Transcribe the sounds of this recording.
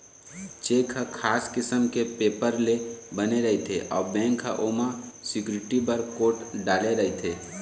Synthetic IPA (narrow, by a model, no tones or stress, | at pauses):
t͡ʃeːkʰakʰaːskɪsəmkepeːpəɾlebəneɾɐɦet̪ʰeʔɔ̰ːɾbɛ̃ːŋkʰːa̰ʔoːmasɪkjʊɾɪʈipəɾkoːʈɖaːleɾɐɦet̪ʰeː